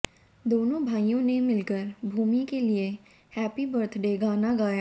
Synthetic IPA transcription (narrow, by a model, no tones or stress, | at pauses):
d̪oːnõbʱaːijõnemɪlkəɾbʱuːmikelie | hɛːpibəɾt̪ʰɖeːɡaːnaɡaːja